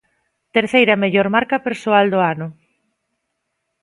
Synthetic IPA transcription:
t̪eɾθejɾɐmeʎɔɾmaɾkɐpeɾsoald̪oanʊ

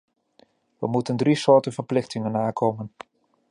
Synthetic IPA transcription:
ʋəmutəndrisʊːɹtənvəɹplɪχtɪŋənaːkowmən

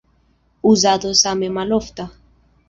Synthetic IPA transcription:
uzaðosamemaloft̪a

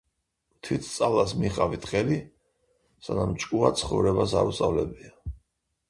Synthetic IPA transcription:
mt̪ʰwit̪ʰt̪sʼavlˠasmiχʼavit̪χʼɛli | sanamt͡ʃʼkʼuat̪sʰχɔvɾɛbasa̰ɾust̪ʼavlɛbia

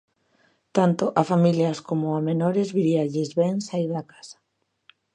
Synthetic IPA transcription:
t̪ant̪oʔafamiljaskomoamenoɾezβiɾiaʎezβɛŋsaiɾðakḁsḁ

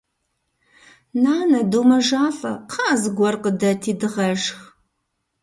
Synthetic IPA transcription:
naːnɐduːmɐʒaːɬɐ̰qʰɑːzɨɡʷɔrqədɐtʰiːdɨʁɐʒx

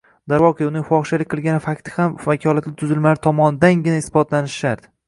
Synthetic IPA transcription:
d̪aɾwɒqʰejʊnɪŋfɒχʃalɪkʲqʰɨlˠɡʲanɪfakʲt̪ʰɪ̥hamvakʲʰɒlˠat̪lɪt̪ʰʊzɪlmaɾɪt̪ʰɒmɒnd̪anɡʲɪnaɪsbɒt̪lanɪʃʃaɾd̪ɪ

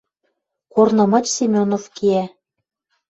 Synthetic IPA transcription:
kornɤ̆mɤ̆t͡ɕsimʲonofkiæ

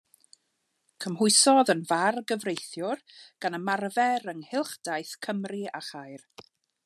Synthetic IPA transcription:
kʰəmɦʊɨsɔðənvarɡəvrejθjʊrɡ̥anəmarvɛɾəŋhɪlˠχd̥ajθkʰəmriaχajr

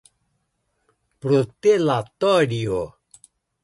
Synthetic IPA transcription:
pɾot̪elat̪ɔɖio

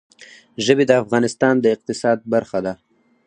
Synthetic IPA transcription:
ʒəbed̪əafɣɑnɪst̪ɑnd̪əɪq̚t̪ɪsɑd̪̚baɾxad̪a

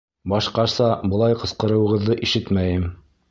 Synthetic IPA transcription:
bɑʃqɑɾsɑbɤ̆lˠɑjqɤ̆sqɤ̆ɾɤ̆wɤ̆ʁɤ̆ðːɤʔiʃɘt̪mæjɘm

